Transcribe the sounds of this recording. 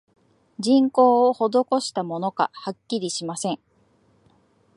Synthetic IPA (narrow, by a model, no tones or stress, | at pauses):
d͡ʑĩŋko̞ːoho̞d̪o̞ko̞ɕi̥t̪amo̞no̞ka̰hakʲːiɾʲiɕimasẽ̞ŋ